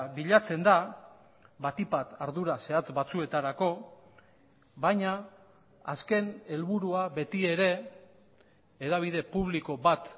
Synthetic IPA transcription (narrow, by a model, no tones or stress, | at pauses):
βiʎat͡se̞nd̪a | βat̪ipat̪aɾðuɾase̞at͡sbat͡sue̞t̪aɾako̞ | βajɲaː | ske̞ne̞lβuɾuaβe̞t̪ie̞ɾe̞ | eðaβ̞iðe̞puβ̞liko̞βat̪